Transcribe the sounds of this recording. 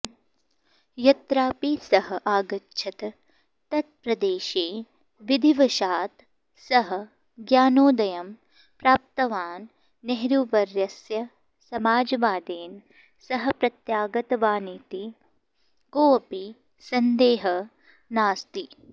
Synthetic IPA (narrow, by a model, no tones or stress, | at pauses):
jɐt̪ɾaːpisɐɦɐʔaːɡɐtːʃʰɐt̪ɐ | t̪ɐt̪̚pɾɐd̪eːʃeː | ʋid̪ʱiʋɐʃaːt̪ | sɐɦɐ̆ | ɡjaːnoːd̪ɐjɐm | pɾaːp̚t̪ɐʋaːnː | eɦɾuʋɐɾjɐsjɐ | sɐmaːd͡ʒɐʋaːd̪eːn | sɐɦɐ̆pɾɐt̪jaːɡɐt̪ɐʋaːnit̪i | ɡoːɐpi | sɐnd̪eːɦɐ | naːst̪i